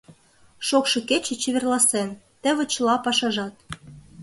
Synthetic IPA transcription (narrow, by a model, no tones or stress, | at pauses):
ʃokʃɤ̆ket͡ɕĕt͡ɕeβĕrlɑsen | t̪ə̆βə̆t͡ɕlɑpɑʃɑʒɑt̪̚